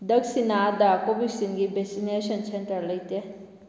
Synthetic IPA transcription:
d̪ɐksinad̪aːkobisinɡibesineːʃɐnsenʈɐɾlɐit̪e

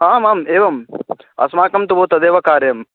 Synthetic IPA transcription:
ɦaːmaːmeːʋɐmɐ̰smaːkɐmt̪uboːt̪ɐd̪eːʋɐkaːɾjɐm

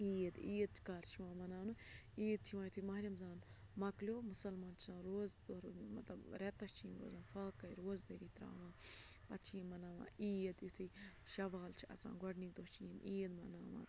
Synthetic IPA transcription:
iːd̪iːd̪̚t͡ʃʰkaːɾt͡ʃʰiʋãːmɐnaːnu | iːd̪̚t͡ʃʰiʋãːjt̪ʰumɐɾʲɐmzaːnmɐklʲoːmusɐlmaːnt͡ʃʰi̥sãːnɾoːzd̪oɾmɐt̪lɐbɾet̪ɐst͡ʃʰinɾo̰ːzãːnfaːkːɐiɾoːzd̪ɐɾiːt̪ɾa̰ːʋãːpɐt̪t͡ʃʰimɐnaːʋã̰ːʔiːd̪jit̪ʰuʃɐʋaːlt͡ʃʰiɐ̰t͡sã̰ːnɡɐɖnid̪oːt͡ʃʰiːniːd̪mɐnaːʋã̰ː

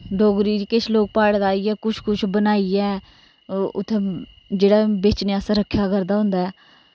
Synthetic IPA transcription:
ɖoːɡɾiːɾiket͡ʃʰloːɡ̚paːɽd̪aːiːɛːkʊt͡ʃʰkʊt͡ʃʰbənaːiːɛː | ʊ̰t̪ʰːẽ | d͡ʒeːɽaːbeːt͡ʃnejaːsãɾəkʰːjaːkəɾd̪aːɦʊ̃nd̪aːɛː

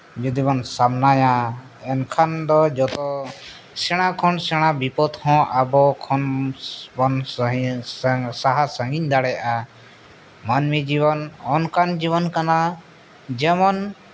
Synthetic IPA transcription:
d͡ʒud̪ibɔnsamnaja | ɛnkʰand̪ɔd͡ʒɔt̪ɔ | sɛɽ̃akʰɔnsɛɽ̃abipɔt̪hɔ̃ʔabɔkʰɔnbɔn | saɦasə̃ŋɡiɲd̪aɽɛjʔa | manmid͡ʒiβɔnɔnkand͡ʒiβɔnkana | d͡ʒɛmɔn

